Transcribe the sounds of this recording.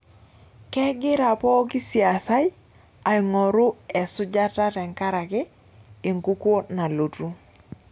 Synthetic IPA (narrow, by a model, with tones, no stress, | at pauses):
kɛ˦ɡɪ˦ɾa˨pɔ˦ki˦si˨a˨sa˦j | a˨ɪ˨ŋɔ˨ɾu˦ɛ˨sʊ˦d͡ʒa˦ta˦tɛ˨ŋka˦ɾa˨kɪ˦ | ɪ˨ŋku˦ko˦na˨lo˨tu˦